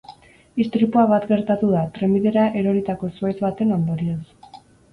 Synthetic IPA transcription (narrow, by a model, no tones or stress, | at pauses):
ist̪ɾipuaβat̪ɡe̞ɾt̪at̪uðat̪ɾe̞miðe̞ɾaʔe̞ɾo̞ɾit̪ako̞suezβat̪e̞no̞nd̪o̞ɾios